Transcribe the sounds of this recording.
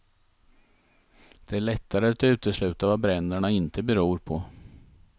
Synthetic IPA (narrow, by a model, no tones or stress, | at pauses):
d̪̥ɛæɭɛt̪ʰːaɾəat̪ʉ̟ːt̪əslʉ̟ːt̪avabɾɛnd̪æɳaɪnt̪əbɛɾuːɾpʰɔ